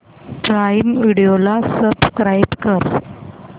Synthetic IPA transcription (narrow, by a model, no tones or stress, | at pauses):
ʈɾajmʋiɽiolasəbskɾajbkəɾ